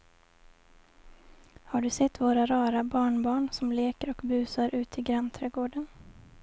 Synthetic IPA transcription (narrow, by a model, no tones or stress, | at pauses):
haɖɵsɛt̪ːvoːɾaɾɑːɾabɑːɳbɑːɳsɔmleːkəɾɔkbʉ̟ːsaɾʔʉ̟ːt̪ʰɪɡɾant̪ʰɾɛːɡoːɖən